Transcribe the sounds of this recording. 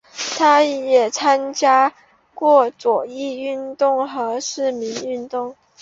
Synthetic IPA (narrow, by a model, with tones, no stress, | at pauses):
t̪ʰa˥jɛ˨˩t͡sʰa˥nt͡ɕja˥ | kwɔ˥˩t͡swɔ˨˩i˥˧y˥˧nt̪ʊ˥˩ŋxɤ˧˥ʂɻ̩˥˩mi˧˥ŋy˥˧nt̪ʊ˥˩ŋ